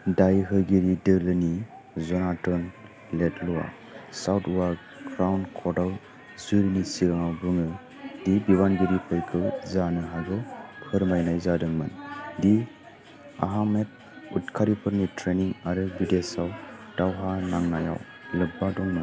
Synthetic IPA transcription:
dajɦɯɡiɾidɯlɯni | zɔnatɔn | letluwa̰ | sawtuwa | ɡɾawnkʰɔdaw | zɯɾnisiɡaŋawbɯŋɯ | dibibanɡiɾipʰɯjkʰɯwzanɯɦaɡɔhʰɯɾmajnajzadɯŋmɯndi | a̰ɦamet̚ | ut̚kʰaɾipʰɯɾnitʰɾeniŋaɾɯbidesawd̥awɦanaŋnaja̰w | lɯbadɔŋmɯn

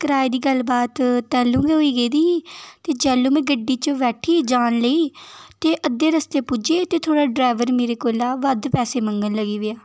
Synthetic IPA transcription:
kəɾaːid̪iːɡəlbaːt̪t̪ːɛːlũːɡeːɦoːiːɡəːd̪iːt̪eːd͡ʒɛːlõːmɛ̃ːɡəɖːiːt͡ʃəʋɛːʈʰiːd͡ʒaːnləiːt̪eːʔəd̪ːẽːɾəst̪eːpud͡ʒeːt̪eːt̪ʰoːɽaːɖɾaːʋəɾmeːɾeːkoːlaːʋəd̪pɛːseːməŋɡənləɡiːʋɪaː

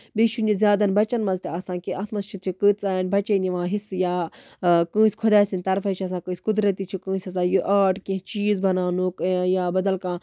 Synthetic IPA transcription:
beʃunizʲjaːd̪ɐnbɐt͡ʃɐnmɐzt̪eɐsãːnkiɐt̪ʰmɐst͡ʃʰit̪t͡ʃʰikɨːt̪t͡saːnbɐt͡ʃeniʋãːɦisjaː | kɨ̃ːsʲkʰʊd̪aːsʲinʲt̪ɐɾfɐt͡ʃʰiɐsãːkɨːsʲkʊd̪ɾɐt̪it͡ʃʰikɨ̃ːsʲɐs̬ãːjuʔaːʈkẽt͡ʃiːzbɐnaːnuːkjaːbɐd̪ɐlkãː

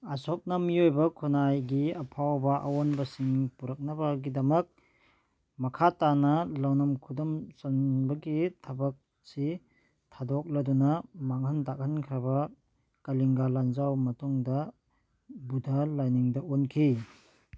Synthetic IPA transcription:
ɐsɔk̚nɐmiojbɐkʰunajɡiɐpʰawbɐʔɐ̰wonbɐsiŋpuɾɐk̚nɐbaɡidɐmɐk̚ | mɐkʰatanɐlawnɐmkʰudɔmsɐnbɐɡitʰɐbɐk̚ | si | tʰadɔk̚lɐdunɐmaŋhɐntak̚hɐnkʰɾɐbɐ | kɐliŋɡaland͡ʒawmɐtuŋdɐ | budʱɐlajniŋdɐonkʰi

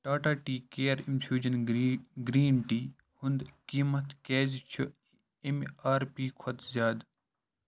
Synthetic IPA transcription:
ʈaːʈaːʈiːkeːɾimfʰjuːd͡ʒɐnɡɾiːnʈiː | hʊnd̪kiːmɐt̪keːzt͡ʃʰu | emaːɾpiːkʰɐt̪zʲjaːd̪

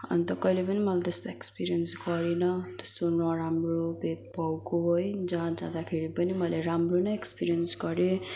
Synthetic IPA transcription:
ʌ̰nt̪ʌkʌilepʌnimʌlad͡zʌst̪oekspiɾijʌnsɡʌɾenʌd͡zʌst̪onʌɾamrobʱet̪̚bʱʌwkoɦojd͡zãd͡zãd̪akʰeɾipʌnimʌleɾamronʌekspiɾijʌnsɡʌɾe

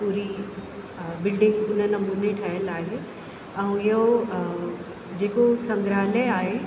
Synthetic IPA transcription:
puːɾi | bɪlɖɪ̃ŋɡʊnənɐmuːneʈʰɐɦəlaːɦe | ɛ̃ũjɦo | d͡ʑeːkosɐ̃ŋɡɾaːləaːɦe

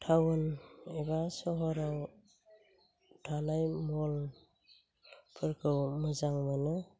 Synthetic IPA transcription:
tʰawɯneβasɔɦɔɾaw | dʰanajmɔl | pʰɯɾkʰɯwmɯzaŋmanɯ

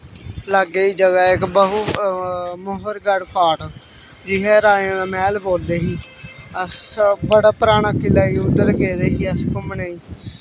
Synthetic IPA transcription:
ləɡeːiːd͡ʒəɡaːɪkbəɦuː | moːɦəɾɡəɽpʰaːʈ | d͡ʒɪɦɛːɾaːjãːnaːmɛːlboːld̪eːɦiː | əsbəɽaːpɾaːɳ̃aːkɪlaːiːʊd̪əɾkeːd̪eːɦiːəskʊmnaːiː

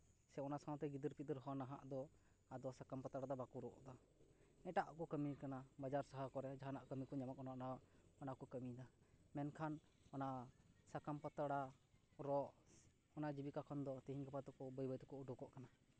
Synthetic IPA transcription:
sɛɔnasãw̃t̪ɛɡid̪əɾpit̪əɾɦɔnaɦa̰ʔd̪ɔ | ad̪ɔsakampat̪aɽad̪ɔbakuɾɔʔd̪ɔ | ɛʈaʔkɔkəmikanabad͡ʒaɾsaɦakɔɾɛd͡ʒaɦanaʔkəmikɔɲamakɔnaʔnawaʔɔnakɔkəmid̪amɛnkʰan | ɔnaʔsakampat̪aɽaɾɔʔ | ɔnaʔd͡ʒibikakʰɔnd̪ɔt̪əɦiɲkapat̪ɔkɔbəjbəjt̪ɔkɔʔuɖɔkɔʔkana

